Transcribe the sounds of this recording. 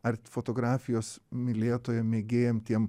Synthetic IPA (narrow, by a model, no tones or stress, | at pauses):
ɐɾfot̪oːɡɾɑːfʲɪjoːsmʲɪlʲeːt̪oːjɛmʲeːɡʲeːjomt̪ʲiɛm